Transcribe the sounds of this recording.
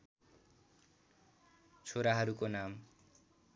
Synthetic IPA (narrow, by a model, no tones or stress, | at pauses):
t͡ɕʰoɾaɦaɾukonam